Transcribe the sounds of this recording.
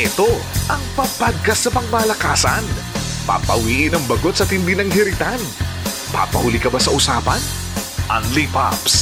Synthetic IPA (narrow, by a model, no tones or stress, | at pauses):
ʔɛt̪o̞ | ʔɐŋpɐpaɡ̚kɐsnɐpɐŋmaːlɐkaːsɐn | pɐ̰pɐ̰wiːʔɪnɐŋbɐɡot̪sɐt̪hɪnd̪inɐŋɦɪɾɪt̪an | pa̰pɐ̰hʊlikɐbasɐʔʊsaːpɐn | ʔɐŋlipa̰ps